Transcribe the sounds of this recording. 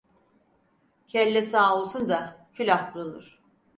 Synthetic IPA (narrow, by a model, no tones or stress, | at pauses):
cʰɛlʲːɛsaːolˠsund̪acʰylʲahbulˠunuɾ̥